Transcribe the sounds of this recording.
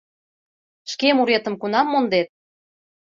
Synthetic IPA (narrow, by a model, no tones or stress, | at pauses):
ʃkemuɾet̪ə̆mkunɑmːond̪et̪̚